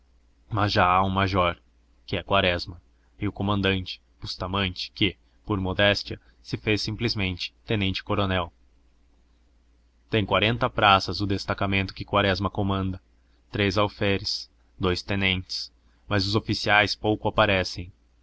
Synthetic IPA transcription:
mɐzʒaaũmaʒɔɾ | kɪɛkwaɾɛzmɐ | ɪʊkomɐ̃nd̪ɐ̃nt͡ʃɪ̥pust̪amɐ̃nt͡ʃɪ̥kɪ | poɾmod̪ɛst͡ʃiɐ | sɪfesĩplɪzmẽnt͡ʃɪ̥t̪ẽnẽnt͡ʃɪ̥koɾonɛw | t̪ẽj̃kwaɾẽnt̪ɐpɾasɐzʊd̪est̪akamẽnt̪ʊ̥kɪkwaɾɛzmɐkomɐ̃nd̪ɐ | t̪ɾezawfɛɾɪs | d̪ojst̪ẽnẽnt͡ʃɪ̥s | mɐzʊzofisiajspowkʊapaɾɛsẽj̃

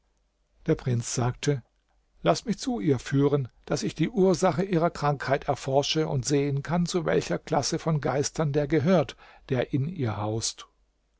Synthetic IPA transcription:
d̥eːɐpʁ̥ɪnt͡sz̥aːk̚tʰə | lasmɪçt͡suʔiːɐfyːʁənd̥asɪçd̥iːʔuːɐzaχəʔiːʁ̞ɐkʁ̥aŋkhaɪtɛɐfɔɐʃəʊntz̥eːənkʰant͡suvɛ̰lçɐkl̥asəfɔnɡaɪstʰɐndeːɐɡəɦøːɐt | d̥eːɐʔɪniːɐhaʊst

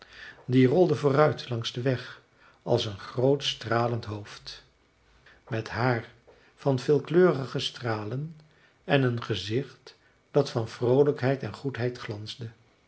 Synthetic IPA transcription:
dirɔlˠdəvʊːrœɥtʰlɑŋzdəʋɛχ | ɑ̰lˠsənχrowtstraːləntɦowft | mɛtɦaːɹ | vɑnvɪːlˠkløːəχəstraːlən | ɛnənχəzɪχt | d̥ɑtfɑnvrowləkɦɛjtɛnχutɦɛjtχlɑnzdə

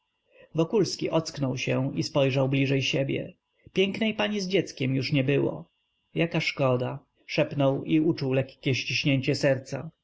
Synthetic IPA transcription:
vɔkulskʲiʔɔt̪sknɔwɕɛispɔjʐawblʲiʐɛjɕebʲjɛ̰ | pʲjɛŋknɛjpaɲizd͡ʑɛt̪skʲɛmjuʂɲɛbɘwɔ̰ | jakaʂkɔd̪a | ʂɛpnɔwiut͡ʂuwlɛkːʲɛɕt͡ɕiɕɲeɲt͡ɕɛsɛɾt̪sa̰

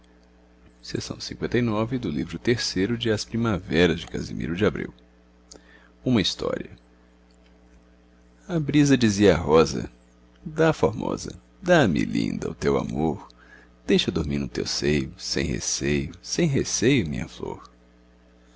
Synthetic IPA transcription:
sesɐ̃w̃sĩŋkwẽt̪ɐjnɔvɪd̪ʊlivɾʊt̪eɾsejɾʊd͡ʒɪɐspɾimavɛɾɐzd͡ʒɪka̰zḭmḭɾʊd͡ʒɪabɾiw | ũmɐist̪ɔ̰ɾiɐ | abɾizɐd͡ʒiziɐaɦɔzɐ̰ | d̪afoɾmɔ̰zɐ̰ | d̪amɪ̰lḭ̃nd̪ɐʊt̪ewa̰moɾ | d̪̥ejʃɐd̪oɾmiɾnʊt̪ḛwsejʊsḛ̃j̃hḛsejʊsẽj̃ɦesejʊmĩɲɐ̰floɾ

